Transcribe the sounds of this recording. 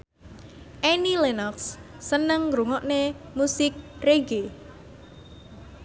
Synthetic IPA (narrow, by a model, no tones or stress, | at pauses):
ʔenilenɔksː | ənəŋɡɾuŋɔʔnemusɪk̚reɡe